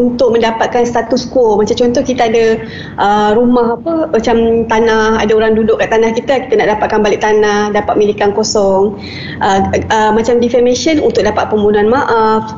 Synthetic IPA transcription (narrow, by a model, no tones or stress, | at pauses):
unt̪ʊk̚mə̃ndapat̪̚kanst̪at̪uskɔmat͡ʃamt͡ʃɔnt̪ɔhkit̪aːda | ʔəɾumaɦapəmat͡ʃamt̪anaha̰daoɾaŋdudʊʔkaʔt̪anahkit̪aki̥t̪anaʔdapat̪̚kanbalɪʔ̚t̪anahdapat̪̚milikankosɔŋ | ʔəəmat͡ʃamdifɛmeʃənunt̪ʊk̚dapat̪̚pəmbunuanmaʔaf